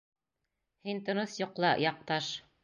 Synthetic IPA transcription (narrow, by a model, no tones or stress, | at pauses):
hint̪ŏnoθjŏqlˠɑjɑq̚t̪ɑʃ